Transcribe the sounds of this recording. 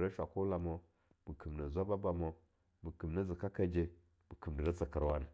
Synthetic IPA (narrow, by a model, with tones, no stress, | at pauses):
ɾa˦ʃʷa̰˨ku˦la˨mo˦ | mu˨kə˨mna˨zʷa˦ba˦ba˨mo˦ | mu˨kə˨mna˦zi˨ka˦ka˦d͡ʒe˦ | mu˨kə˨mdi˨ɾa˦t͡sə˨kə˨ɾwa˦n˨